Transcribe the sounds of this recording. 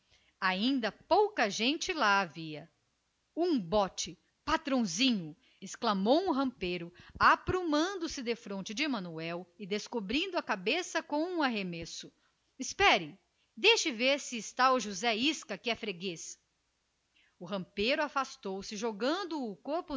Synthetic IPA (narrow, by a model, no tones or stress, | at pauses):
aĩnd̪ɐpowkɐʒẽnt͡ʃɪlaaviɐ | ũbɔt͡ʃɪ | pat̪ɾõw̃zĩɲʊ | ɪsklɐmowũɦɐ̃pejɾʊapɾumɐ̃nd̪ʊsɪd̪efɾõnt͡ʃɪd͡ʒɪmɐ̃nuɛwɪd̪eskobɾĩnd̪ʊɐkabesɐkõũaɦemesʊ | ɪspɛɾɪ | d̪ejʃɪveɾsɪːst̪aʊʒuzɛiskɐkɪɛfɾeɡes | ʊɦɐ̃mpejɾʊafast̪owsɪʒoɡɐ̃nd̪ʊːkoɾpʊ